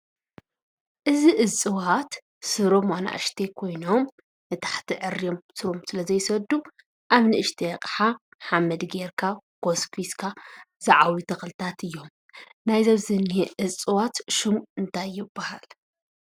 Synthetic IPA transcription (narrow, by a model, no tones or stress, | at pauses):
ʔɨziʔɨt͡sʼɨwat̪ | sɨɾomana̰ʔɨ̰ʃt̪ʰekʰo̞jno̞m | nɨt̪ʰḁħt̪ʰiʕɨɾijomsɨɾomsɨlɐzɐjsɐd̪u | ʔaβnɨʔɨʃt̪ʰijɐqʼħa | ħamɐd̪ɡeɾkʰaɡ̥o̞skʰiskʰaz̥ɐʕawit̪ʰɐxlɨt̪ʰat̪ʰɨjːo̞m | najzɐβzɨniheʔɨt͡sʼɨwat̪ʃɨmuʔɨnt̪ʰajːɪbːahal